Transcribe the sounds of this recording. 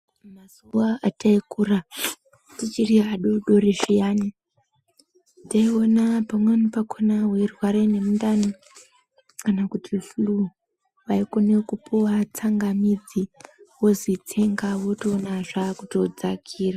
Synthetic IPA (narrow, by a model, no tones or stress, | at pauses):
maz̥uwaataikuːɾa | tit͡ʃiriɦaɗoɗoɾeʂijaːni | taiwo̞napamwenipakʰonawerwaɾene̞mundani | kanakutʰiflu | ʋaikonekupuwat͡saŋɡamid͡ziwo̞zitʰe̞ŋɡawo̞toːnaʐakutod͡zakʰiːra